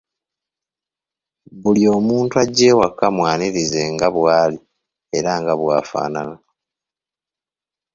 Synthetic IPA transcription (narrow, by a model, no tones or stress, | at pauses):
βulijo̞ːmuːntwaɟːe̞ːwakːamwaːniɾizeŋɡaβwaːli | e̞ɾaŋɡaβwaːfa̰ːnana